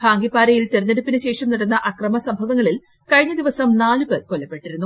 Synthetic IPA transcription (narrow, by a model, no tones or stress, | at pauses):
bʰʱaːŋɡipːaːɾɐjilt̪eɾɐnːeɽupːinɨɕe̞ːʂɐmnɐɽunːɐʔɐkrɐmɐsɐmbʱɐʋɐŋːɐɭil | kɐɻiɲːɐd̪iʋɐsɐmnaːlupekolːɐpːe̞ʈːiɾunːu